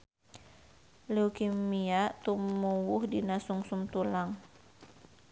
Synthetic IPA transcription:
leukimiat̪umuwuhdinasuŋsumt̪ulaŋ

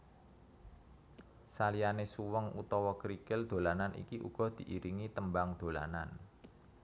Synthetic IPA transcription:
salijanesuwəŋṵt̪ɔwɔkɾikɪld̪̥o̤lananʔḭkiʔṵɡ̥ɔ̤d̪̥i̤ʔiɾiŋit̪əmbaŋd̪̥o̤la̰nan

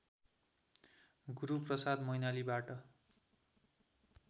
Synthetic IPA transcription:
ɡuɾuprʌsad̪mʌjnalibaʈʌ

